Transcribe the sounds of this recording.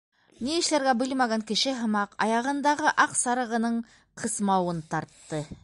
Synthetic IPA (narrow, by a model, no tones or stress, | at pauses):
niɘ̆ʃlæɾɡæbɘlmæɡæŋkɘ̆ʃɘɦɤ̆mɑqɑ̰jɑʁɤ̆nd̪ɑʁɤʔɑqsɑɾɤ̆ʁɤ̆nɤɴ | qʰɤ̆smɑwɤnt̪ɑɾt̪ːɤ